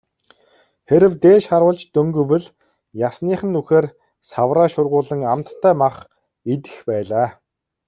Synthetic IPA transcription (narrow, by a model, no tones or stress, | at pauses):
xeɾɘ̆wt̪eːʃχaɾwə̆ːɮt͡ɕt̪ɵŋɡɵ̆wɘ̆ɮ | jasniːχə̆nːuxeːr | sawraːʃʊrʁʊːɮə̆ŋamt̪ʰːæːmaχ | it̪ɘ̥̆xpæːɮaː